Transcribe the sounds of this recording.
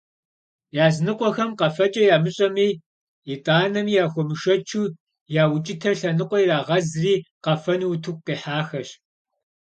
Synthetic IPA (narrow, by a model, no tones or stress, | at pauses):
jaːznɨqʷʼɔxɐmqɐfɐt͡ʃʼɐjaːmɨɕʼɐmiː | itʼaːnɐmijaːxʷɔmɨʃɐt͡ʃʰuː | jaːwʊt͡ʃʼɪtʰɐrɬɐnɨqʷɔjiɾaːʁɐzriːqɐfɐnwtʰuk̚ʷʼqiːħaːxɐɕ